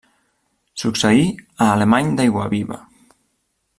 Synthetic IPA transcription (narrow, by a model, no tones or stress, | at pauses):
sukseiaːlemaɲd̪ajɣwaβiβa̰